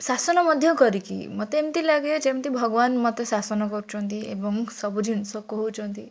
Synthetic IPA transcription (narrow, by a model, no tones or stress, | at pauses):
sasɔnɔməd̪ʱjəkəɾikḭmət̪emt̪ilaɡet͡ʃemt̪ibʱəɡʋanmɐt̪esasɔnɔkɔɾut͡ʃɔ̃nt̪iebɔŋsəbud͡ʒʱinsɔkɔɦut͡ʃɔnt̪i